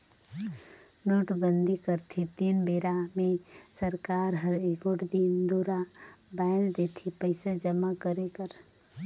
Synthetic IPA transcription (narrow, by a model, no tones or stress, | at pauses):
noːʈbənd̪ʱikəɾt̪ʰit̪iːnbeːɾamẽsəɾkaːɾɦəɾekoʈd̪ind̪oːɾabãːnd̪eːt̪ʰipəɪsad͡ʒəmakəɾekəɾ